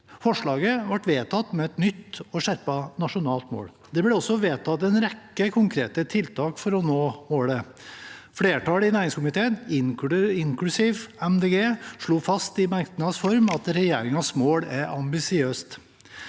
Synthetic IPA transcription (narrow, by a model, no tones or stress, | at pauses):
fɔʂɭɑːɡəʋɑʈʋeːt̪ʰɑt̪ːmɛɛt̪nʏt̪ːɔʂæɾpɑnɑʂʊnɑːlt̪mo̰ːɽ | d̪ɛbɽɛɔsːɔʋeːt̪ʰɑt̪ːɛnɾɛkːəkʰʊŋkʰɾeːt̪ət̪ʰɪlt̪ʰɑːkfɔɾɔnoːmoːɽə | fɽeːʈɑːlɪnæːɾɪŋskʊmɪt̪ʰeːnɪɪŋklʉsɪʋɛmd̪eːɡeːʂɭuːfɑst̪ɪmɑɾkt̪ənɑsfɔɾmɑt̪ɾɛjeːɾɪŋɑsmoːɽæɾɑmbɪsɪøːst̪